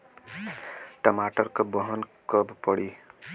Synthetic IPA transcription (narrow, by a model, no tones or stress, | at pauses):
ʈʌmaʈʌrkobʌɦʌnkʌbpʌɽi